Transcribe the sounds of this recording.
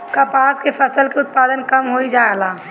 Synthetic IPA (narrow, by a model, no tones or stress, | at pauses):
kapaːskepʰəsəlkeʊt̪̚paːd̪ənkəmɦoid͡ʒaːlaː